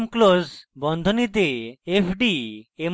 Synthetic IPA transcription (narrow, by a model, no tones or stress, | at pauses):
mklozbɔnd̪ʱonit̪eepʰɖiem